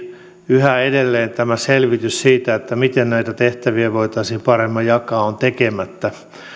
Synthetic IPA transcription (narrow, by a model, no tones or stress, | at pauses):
yhæedelːeːnt̪æmæselʋit̪yssiːt̪æet̪ːæmit̪ennæit̪æt̪eht̪æʋiæʋoit̪ɑisiːmpɑremːɑjɑkɑːont̪ekemæt̪ːæ